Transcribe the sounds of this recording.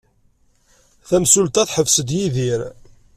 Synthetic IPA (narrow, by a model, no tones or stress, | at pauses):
θæmsult̪æθħəvsəd̪jiðiɾ